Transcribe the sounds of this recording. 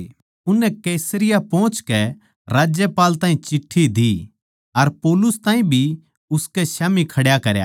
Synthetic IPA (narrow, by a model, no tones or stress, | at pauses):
ʊnːɛkɛːsəɾɪjapɔ̃ːt͡ʃkɛ | ɾaːd͡ʒjɛpaːlt̪aːĩt͡ʃɪʈʰːid̪i | ɐɾpoːlʊst̪ãːĩbʱi | ʊskɛʃjaːmikʰɐɽjakɐɾja̰ː